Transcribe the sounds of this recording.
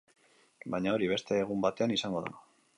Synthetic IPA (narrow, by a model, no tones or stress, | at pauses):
bajɲao̞ɾiβe̞st̪e̞ːɣumbat̪e̞anisaŋɡo̞ða̰